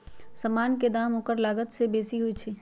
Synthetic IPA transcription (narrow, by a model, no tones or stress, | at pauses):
sɐmaːnked̪aːmõːkəɾlaːɡət̪sebeːsiɦoit͡ʃʰeː